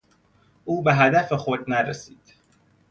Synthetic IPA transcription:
ʔuːbe̞ɦæd̪æfexod̪næɾesiːd̪̥

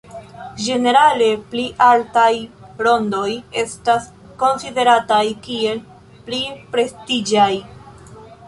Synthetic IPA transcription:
d͡ʒe̞ne̞ɾale̞pliʔaltajɾo̞ndo̞je̞stas | ko̞nside̞ɾatajkie̞l | plipɾe̞stid͡ʒaj

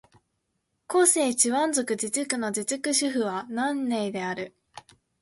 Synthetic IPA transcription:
ko̞ːseːt͡ɕiβãnzo̞kɯ̟d͡ʑit͡sɨkɯ̟no̞d͡ʑit͡sɨkɯ̟ɕɨɸɯ̟βanãnːe̞id̪e̞aɾɯ̟

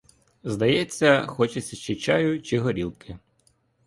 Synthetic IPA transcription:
zd̪ɐjɛt͡sʲːɐxɔt͡ʃɪsʲɐst͡ʃɪt͡ʃajʊt͡ʃɪɦɔɾʲilˠkɪ

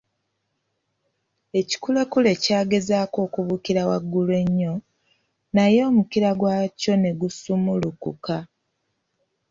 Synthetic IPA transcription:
e̞ci̥kulekule̞caːɡe̞zaːko̞ːkuβukiɾawaɡːulwe̞ɲːo̞ | najo̞ːmukiɾaɡwaːco̞ne̞ɡusumulukṵka

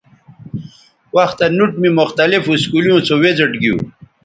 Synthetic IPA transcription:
waxt̪anuʈmimʊxt̪alifuskulujõt͡sʰowed͡zəʈɡiṵ̃

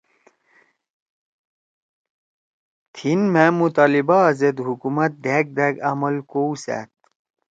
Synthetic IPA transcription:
t̪ʰinmemut̪alibaːzed̪ɦukumɐt̪̚d̪ʱek̚d̪eɡɐmɐlkowsɛ̰t̪̚

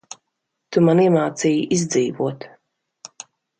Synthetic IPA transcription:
t̪umaniɛmaːt̪siːjiʔizʲd̪ziːvuɔt̪

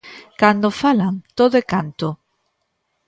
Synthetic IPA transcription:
kand̪ofalaŋt̪oðoekant̪ʊ

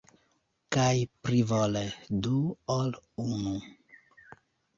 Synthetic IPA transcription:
kajpɾivɔled̪uɔlunu

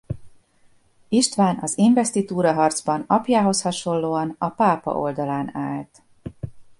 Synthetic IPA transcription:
iʃt̪ʋaːnɒziɱvɛst̪it̪uːɾɒɦɒrd̪zbɒnɒpjaːɦo̞shɒʃo̞lːoːɒnɒpaːpɒ̰ʔo̞ld̪ɒlaːnaːlt̪

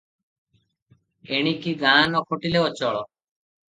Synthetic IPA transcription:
eɽ̃ikiɡ̪ʱaːnɔkʰoʈileɔt͡ʃɔɭɔ

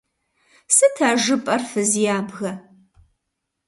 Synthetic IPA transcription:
sɨtʰaːʒɨpʼɐrfɨzjaːbɣɐ

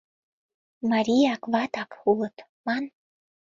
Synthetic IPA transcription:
mɑɾʲijɑkβɑt̪ɑkulˠɤ̆t̪ | mɑn

